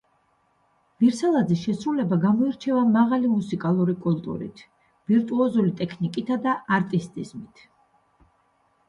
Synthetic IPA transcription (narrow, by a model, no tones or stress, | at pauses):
viɾsalˠad̪zisʃɛsɾulɛbaɡamɔiɾt͡ʃʰɛvamaʁalimusikʼalˠuɾikʼult̪ʼṵɾḭt̪ʰ | v̥iɾt̪ʼuɔzulit̪ʼɛkʰnikʼit̪ʰad̪aʔaɾt̪ʼist̪ʼizmit̪ʰ